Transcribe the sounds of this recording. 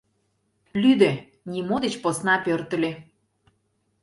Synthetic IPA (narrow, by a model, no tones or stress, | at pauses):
lyd̪e | nʲimod̪et͡ɕposnɑpørt̪ə̆lʲe